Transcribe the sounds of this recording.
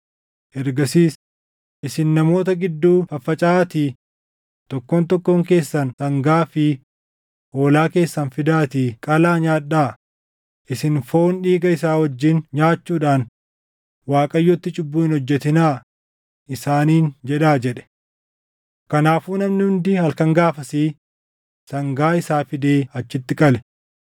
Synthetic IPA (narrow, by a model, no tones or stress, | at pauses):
ʔɛɾɡɐsiːs | ʔɪsɪnːɐmo̞ːt̪ɐɡɪd̪ːuːfɐfːɐt͡ʃʼaːt̪i | t̪ɔkːoːnt̪ɔkːoːŋke̞ːsːɐnsɐŋɡaːfɪ | ʔo̞ːlaːke̞ːsːɐnfɪd̪aːt̪iːkʼɐlaːɲaːᶑːaː | ʔɪsɪnfoːnᶑiːɡɐɪsaːwɐd͡ʒːɪnɲaːt͡ʃːuːᶑaːn | waːkʼɐjːɔt̪ːɪt͡ʃʼʊbːuːhɪnhɔd͡ʒːɛt̪ɪnaː | ʔɪsaːniːnd͡ʒɛᶑaːd͡ʒɛᶑɛ̥ | kɐnaːfuːnɐmnɪhʊnd̪ɪhɐlkɐŋɡaːfɐsiː | sɐŋɡaːɪsaːfɪd̪eːɐt͡ʃːɪt̪ːɪkʼɐlɛ